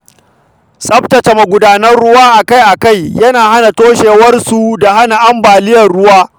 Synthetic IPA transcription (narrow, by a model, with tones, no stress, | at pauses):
sʼɐ˦btɐ˨t͡ʃe˨mɐ˨ɡʷʊ˦daː˦nɐ˦rɽʊ˦waː˦ʔa˨ka˦jʔa˨ka˦˨jjɐ˦naː˨ha˦na˨toː˦ʃeː˨wɐ˦rsu˨da˨ha˦na˨ʔa˦mbaː˨lɪ˦jɐ˨rɽʊ˦waː˦